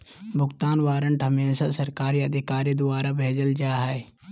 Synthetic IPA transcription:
bʱʊɡt̪aːnʋaːɾəɳʈɦɐmeːsasɐɾkaːɾiɐd̪ʱɪkaːɾid̪ʊaːɾabʱeːd͡ʒəld͡ʒaːɦɛe

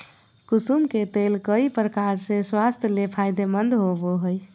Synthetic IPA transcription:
kusumket̪elkəipɾəkaɾsẽswast̪ʰjəlepʰajd̪emənd̪ɦoboɦoj

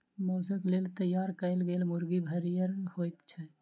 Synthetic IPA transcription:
mɔːsəklelt̪əjːaɾkəɪlɡelmʊɾɡibʱəɾijəɾhojt̪t͡ʃʰɛ

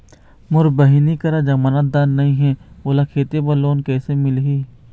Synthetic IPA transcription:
mʊɾbəɦinikəɾad͡ʒəmaːnət̪̚d̪aːnːɐɦĩɦɛ̃ːoːlakʰeːt̪ebɐloːnkɛːsemɪlɦiː

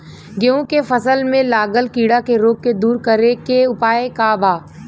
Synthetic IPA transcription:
ɡeõkefəsəlmẽlaːɡəlkiːɽakeɾoːɡ̚ked̪uːɾkəɾekeʊpaːekabʱaː

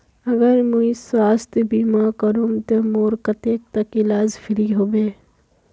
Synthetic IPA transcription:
ɐɡəɾmuisaːst̪biːmaːkɐɾumt̪emoːɾkɐt̪eːk̚t̪ɐkɪlaːzfʰɪɾiɦoːbeː

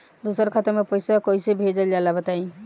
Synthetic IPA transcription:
d̪usəɾkʰat̪əɾmepəjsakojsebʱed͡ʒəld͡ʒalabət̪aĩ

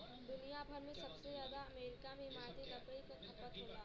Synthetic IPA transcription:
d̪ʊnijabʱɐɾmẽsɐbsezjaːd̪aɐmeːɾɪkamẽɦɪmaːt̪iɾɐpəikokʰɐpːət̪ɦolaː

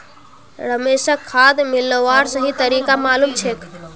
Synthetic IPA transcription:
ɾəmesəkʰːad̪milːəʋaɾsəɦit̪əɾikamalumt͡ʃʰek̪

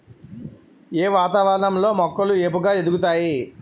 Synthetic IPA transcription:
eːʋaːt̪aʋɐɾɐɳɐmlo̞ːmɔkːɐlueːpuɡaːe̞d̪ukut̪aːji

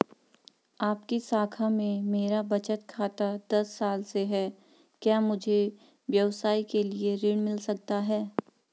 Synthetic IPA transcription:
aːpkisaːkʰamẽmeːɾabɐt͡ʃət̪kʰaːt̪ad̪ɐsːaːlseɦɛː | kjaːmʊd͡ʒʱe | ʋjɐʋsaːikelieɾɪɽmɪlsɐk̚t̪aɦɛː

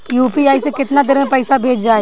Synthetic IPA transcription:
juːpiaːisekɪt̪nad̪ɪɾmẽpɛɪsabʱeːd͡ʒd͡ʒaːe

